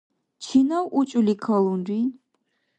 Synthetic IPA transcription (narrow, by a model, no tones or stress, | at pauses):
t͡ʃʰinawʔut͡ʃʼulikʰɔlundi